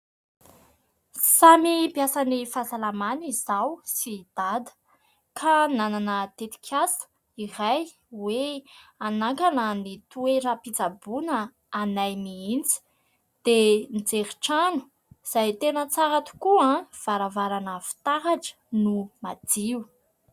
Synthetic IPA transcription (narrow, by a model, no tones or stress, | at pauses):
samipjasanifasalamanizawsid̪̥ad̪ə̥ | kʰanananət̪et̪i̥kʰʲasə̥ | iɾaj | weanaŋkanənit̪ueɾapit͡sabunəː | najmiint͡si̥ | d̪̥enid͡zeɾiʈ͡ʂanu̥ | z̥ajt̪enət͡saɾat̪u̥kuãv̥aɾavaɾanəfi̥t̪aɦaʈ͡ʂə̥numad̪iu